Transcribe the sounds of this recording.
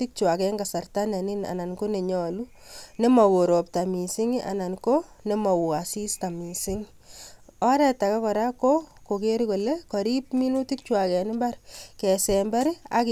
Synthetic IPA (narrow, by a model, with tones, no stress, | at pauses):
i˦k̚t͡ʃwa˨kɛ˦ŋɡa˨sa˨rta˦nɛ˨ni˦na̰˨na˨nko˦ne˨ɲɔ˨lu˦ | ne˦mɔ˨ko˨ɾo˨p̚ta˨mi˨sɪ˦ŋi˦ʔa̰˨na˨nko˦ne˦mɔ˨wa˨si˦sta˨mi˨sɪ˦ŋ | ɔ˦ɾɛ˨ta˨ka˦kɔ˨ɾa˦ko˦ko˨ke˦ɾiko˨lekɔ˨ɾi˦p̚mi˦nu˦ti˦k̚t͡ʃwa˨kɛ˨nɪ˦mba˦ɾkɛ˨sɛ˨mba˦ɾia̰˦k